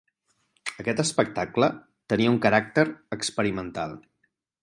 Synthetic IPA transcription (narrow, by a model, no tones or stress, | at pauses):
əkɛt̪əspək̚t̪aklə | t̪əniəuŋkəɾak̚t̪əɾəkspəɾimənt̪a̰lˠ